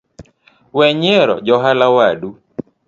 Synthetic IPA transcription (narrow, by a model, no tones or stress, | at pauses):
wɛɲeɾɔ̰d͡ʒɔɦalawadu